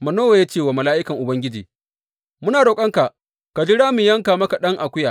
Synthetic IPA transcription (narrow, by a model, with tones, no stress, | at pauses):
mɐ˨noː˦wa˨ja˦t͡ʃeː˦˨waː˨mɐ˨laː˦ʔɪ˦kɐ˨ŋʔʊ˨bɐ˦ŋɡʲɪ˦d͡ʒḭː˨ | mʊ˦naː˨ɽoː˨kʼɐ˦ŋka˨ʔ | ka˨d͡ʒɪ˦ɽaː˦mɪ˨jɐ˦ŋka˨mɐ˦ka˨ɗɐ˦ŋʔa˨kʷʊ˦jaː˨